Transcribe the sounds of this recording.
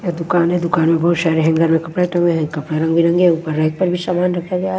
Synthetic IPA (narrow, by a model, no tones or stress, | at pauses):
ad̪ʊkaːnɦɛ̃d̪ʊkaːnmẽbɐɦut̪ʃaːɾeɦɛ̃ɡʱɐɾmẽkɐpɽeʈɐ̃ŋɡeɦɛ̃kɐpɽeɾɐ̃ŋɡbiɾɐ̃ŋɡeɦupəɾːɐɦk̚pɐɾbʱisaːmaːnɾɐkʰaɡejaɦ